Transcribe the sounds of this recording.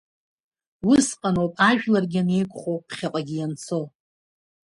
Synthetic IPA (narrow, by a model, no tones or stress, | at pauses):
wʊsqʼanopʼaʒᶣlarɡʲɪane̞jkʷʼχowpʰχʲaqʼaɡʲijant͡sʰo̞w